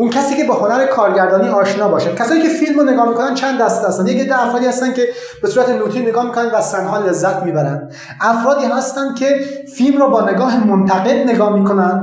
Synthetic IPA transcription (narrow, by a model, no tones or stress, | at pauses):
uncʰæsiːkʰe̞beho̞næɾekʰɒːɾɟæɾd̪ɒːniːɒːʃnɒːbɒːʃæn̥̚kʰæsɒːniːkcʰe̞filmɾoneɡɒːhmiko̞nænt͡ʃʰænd̪ːæst̪ehæst̪ænd̪jeked̪ːææfɾɒːd̪iːhæst̪æncʲe̞ | b̥e̞suːɾæt̪ʰenuːt̪ʰiːnːeɡɒːmiːkʰonænvæsænɦɒːle̞zːæt̪ʰmiːbæɾænd̪ | ʔæfɾɒːd̪iːɦæst̪ænd̪̥̚kʰe̞filmɾɔːbɒːne̞ɡɒːɦemont̪ʰæɣelne̞ɡɒːhmiːko̞nænd̪̥